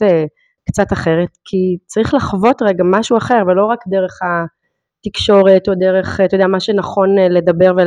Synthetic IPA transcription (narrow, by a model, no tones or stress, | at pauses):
e | kt͡sataχe̞ʁetkʰit͡saʁiχlaχvo̞t̪ʁeɡamaʃuaχe̞ʁvelo̞ʁakdeʁe̞χa | tikʃo̞ʁetodeʁe̞χt̪ojdeɛamaʃenaχo̞nle̞dɐbeʁve